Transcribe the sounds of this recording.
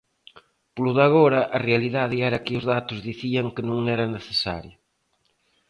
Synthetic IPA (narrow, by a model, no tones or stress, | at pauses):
pluðaɣoɾɐʔɐrealiðaðɪɛɾɐkɪʊzðat̪ʊzðiθiɐŋkɪnũŋɛɾɐneθesa̰ɾjo